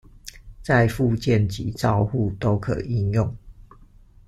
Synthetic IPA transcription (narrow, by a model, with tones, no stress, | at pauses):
t͡sa˥˧ɪfu˥˧t͡ɕjɛ˥˨nt͡ɕḭ˨˦ʈ͡ʂɑ˥˧ʊxu˥˨t̪o˦ʊkʰɤ̰˨˩ʔi˥˧njʊ˥˨ŋ